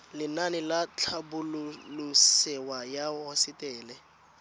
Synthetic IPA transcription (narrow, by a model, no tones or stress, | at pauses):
lɪnanɪlat͡ɬʰabʊlʊlʊsɛwajahɔsɪtʼɛːlɛ